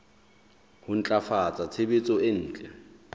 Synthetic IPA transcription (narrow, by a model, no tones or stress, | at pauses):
hʊn̩t͡ɬʼafat͡sʼat͡sʰebet͡sʼɔɪn̩ːt͡ɬʼɛ